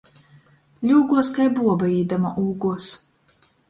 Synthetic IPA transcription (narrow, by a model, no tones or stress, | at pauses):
lʲuːɡuɔskajbuɔbaiːd̪amaʔuːɡuɔs